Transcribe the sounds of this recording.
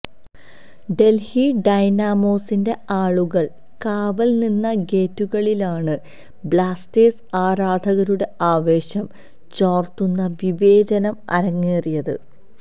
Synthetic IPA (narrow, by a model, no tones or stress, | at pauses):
ɖe̞lhiɖɐjnaːmoːsinde̞aːɭuɣɐɭ | kaːʋɐlninːɐɡe̞ːtːuɣɐɭilaːɳɨ | bɭaːsteːsaːɾaːd̪ʱɐɣɐɾuɽe̞aːʋe̞ːɕɐm | t͡ɕaːrt̪unːɐʋiʋe̞ːd͡ʑɐnɐmɐ̰ɾɐŋːeːrijɐðɨ